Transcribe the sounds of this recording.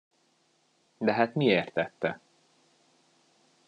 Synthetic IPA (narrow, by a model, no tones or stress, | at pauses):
d̪ɛɦat̪mieːrt̪ːɛt̪ːɛ